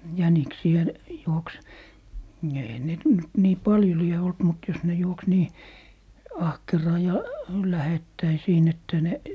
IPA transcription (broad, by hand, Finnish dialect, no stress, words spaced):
jæniksiæ juoks eihæn net nyt niː pɑljo lie olt mut jos ne juoks niː ɑhkerɑː jɑ læhetːæi siːn etːæ ne